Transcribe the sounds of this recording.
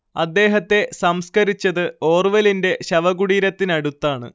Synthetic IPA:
ɐd̪ːe̞ːɦɐt̪ːe̞sɐmskɐɾit͡ɕːɐðɨo̞ːrʋɐlinde̞ɕɐʋɐɣuɽiːɾɐt̪ːinɐɽut̪ːaːɳɨ̰

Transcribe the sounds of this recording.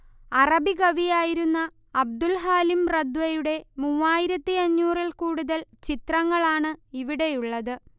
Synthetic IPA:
ɐrɐbiɡɐʋijaːjiɾunːɐː | b̚d̪ulɦaːlimrɐd̪wɐjuɽe̞muːaːjiɾɐt̪ːiɐɲːuːrilkuːɽuðɐlt͡ɕit̪rɐŋːɐɭaːɳɨiʋiɽe̞juɭːɐðɨ

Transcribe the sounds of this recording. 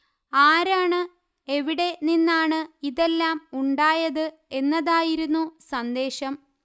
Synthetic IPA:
aːɾaːɳɨ | e̞ʋiɽe̞ninːaːɳɨiðe̞lːaːmuɳɖaːjɐðɨ | e̞nːɐðaːjiɾunːusɐnd̪e̞ːɕɐm

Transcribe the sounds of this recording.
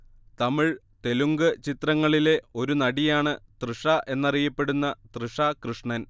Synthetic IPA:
t̪ɐmiɭ | t̪e̞luŋɡɨt͡ɕit̪rɐŋːɐɭile̞o̞ɾunɐɽijaːɳɨt̪rɨʂaʔe̞nːɐrijɐpːe̞ɽunːɐt̪rɨʂakrɨʂɳɐn

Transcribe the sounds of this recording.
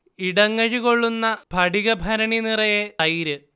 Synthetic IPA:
iɽɐŋːɐɻiɣo̞ɭːunːɐbʱɐɽiɣɐbʱɐɾɐɳinirɐjeɐjiɾɨ

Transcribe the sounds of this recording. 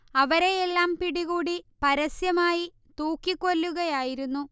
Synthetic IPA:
ɐʋɐɾe̞jelːaːmpiɽiɣuːɽipɐɾɐsjɐmaːji | t̪uːkːikːo̞lːuɣɐjaːjiɾunːu

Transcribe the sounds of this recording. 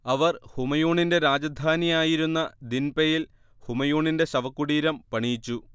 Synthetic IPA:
ɐʋɐrhumɐjoːɳinde̞ɾaːd͡ʑɐd̪ʱaːnijaːjiɾunːɐd̪inpejil | humɐjoːɳinde̞ɕɐʋɐkːuɽiːɾɐmpɐɳijt͡ɕːu

